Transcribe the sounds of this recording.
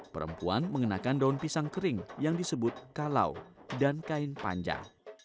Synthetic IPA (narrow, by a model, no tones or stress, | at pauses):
pəɾə̰mpuanməŋənakandaunpisaŋkəɾɪŋjaŋdisəbʊt̪̚kala̰wdankaɪnpa̰ɲd͡ʒa̰ŋ